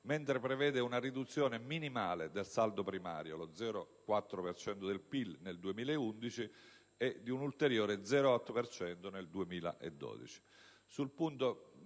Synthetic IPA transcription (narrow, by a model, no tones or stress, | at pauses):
ment̪ɾepɾevɛːd̪eunarid̪ut̪sːjoːneminimaːled̪elsald̪opɾima̰ːɾjolod̪zːɛːɾokwat̪ːɾopert͡ʃɛnt̪od̪elpilneld̪uemiːlaeund̪it͡ʃi | ɛd̪ːiunult̪eɾjoːɾed̪zɛɾoɔt̪ːopert͡ʃɛnt̪oneld̪uemiːla̰ʔḛd̪ːɔ̰ːd̪ḭt͡ʃi̥ | sulpunt̪o